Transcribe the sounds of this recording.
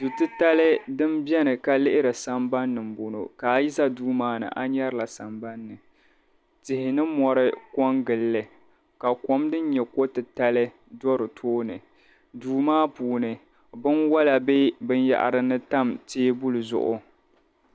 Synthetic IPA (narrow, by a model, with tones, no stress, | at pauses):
du˨tɨ˦ta˦lɨ˦dɨ˦mbjɛ˦nɨ˨ka˨lɪ˦ʔɪ˦ɾɨ˨sa˨mba˦nːɨ˨m̩˨bo˨no̰˨ka˨˦ji˦sa˦duː˦maː˦nɨ̰˨ʔa˦ɲɛ˦ɾɨ˨la˨sa˨mba˦nːɨ˨ | tɪ˨hɪ˨nɨ˦mɔ˨ɾɨ˦kɔ˦ŋɡɨ˨lːɨ˨ | ka˨kɔ˨˦mdɨ˦n˦ɲɛ˨ko˦tɨ˨ta˦lɨ˦ | dɔ˦ɾɨ˨tʰoː˦nɨ˨ | duː˦maː˦puː˨nɨ˨ | bɨ˦nwa˦la˨be˦bɨ˦nja̰˨ʔa̰˨ɾɨ˦nɨ˦ta˦mteː˦bu˦lɨ˨zʊ̰˨ʔʊ̰˦